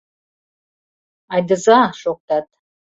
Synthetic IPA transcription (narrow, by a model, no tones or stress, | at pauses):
ajdɨzaʂok̚ʷtʰʼatʰʼ